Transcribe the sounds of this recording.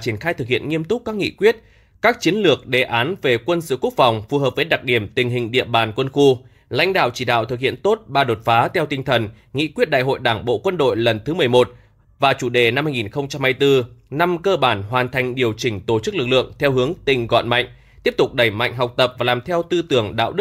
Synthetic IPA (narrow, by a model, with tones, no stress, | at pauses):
t͡ɕi˧˩ənxaː˧jt̪ʰɨ˨˩k̚hḭ˧˨ənŋi˧əmt̪ʊ˦˥k͡p̚kaː˦˥k̚ŋḭ˧˨kwi˦˥ət̚ | kaː˦˥k̚t͡ɕi˨˦ənlɨ˨˩ək̚ɗe˨˩ʔaː˨˦nve˨˩kwə˧nsɨ̰˧˨ku˦˥ək̚fa˨˩wŋ͡mfu˨˩ɦəː˨˩p̚vəː˨˦jɗa˨˩k̚ɗi˧˩əmt̪ï˨˩ŋ̟ɦï˨˩ŋ̟ɗḭ˧˨əɓaː˨˩nkwə˧nxu˧ | la̰˧˥jŋ̟ɗa̰ː˧˨wt͡ɕi˧˩ɗa̰ː˧˨wt̪ɨ˨k̚hḭ˧˨ənt̪o˦˥t̚ɓaː˧ɗo˨˩t̚faː˨˦t̪ʰɛ˧wt̪ï˧ŋ̟t̪ʰə˨˩n | ŋḭ˧˥kwi˦˥ət̚ɗa̰ː˧˨jɦo̰˧˨jɗaː˧˩ŋɓo̰˧˨kwə˧nɗo̰˧˨jlə˨˩nt̪ʰɨ˨˦mɨ˨˩əjmo˨˩t̚ | vaː˨˩t͡ɕu˧˩ɗe˧˩na˧mhaː˧jŋi˨˩nxə˧wŋ͡mt͡ɕa˧mhaː˧jt̪ɨ˧na˧mkəː˧ɓaː˧˩nɦwaː˨˩nt̪ʰa˨˩jŋ̟ɗi˨˩əwt͡ɕï˧˩ŋ̟t̪o˧˩t͡ɕɨ˦˥k̚lɨ˨˩k̚lɨ̰˧˨əŋt̪ʰɛ˧wɦɨ˨˦əŋt̪ï˨˩ŋ̟ɣɔ̰˧˨nma̰˧˨jŋ̟ | t̪i˦˥əp̚t̪ʊ˨˩k͡p̚ɗə˧˩jma̰˧˨jŋ̟ɦa˨˩wk͡p̚t̪ə˨˩p̚vaː˨˩laː˨˩mt̪ʰɛ˧wt̪ɨ˧t̪ɨ˧˩əŋɗa̰ː˧˨wɗɨ˦˥k̚